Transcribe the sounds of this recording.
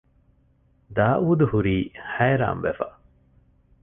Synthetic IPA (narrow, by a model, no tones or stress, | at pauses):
d̪aːʔuːd̪uhuɾiːhæːɾa̰ːmʋefɐ